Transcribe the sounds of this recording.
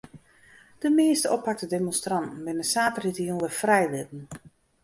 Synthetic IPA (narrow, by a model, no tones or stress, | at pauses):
d̥əmɪːstəɔpʰak̚tədemɔnstrɑntn̩bɪnəsaːtəritiənʋəfrɛjʋɪtn̩